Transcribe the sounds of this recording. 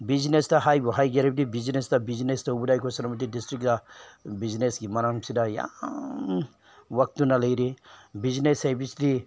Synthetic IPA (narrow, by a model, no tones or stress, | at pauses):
biznestaɦajbɔɦajɡeɾebdibiznestabiznestaubudajkʰɔsanamɐt̪̬idistɾikdabiznesɡimaɾaŋsʰidaja̰ | wɐk̚t̪unalajɾibiznesajbisdi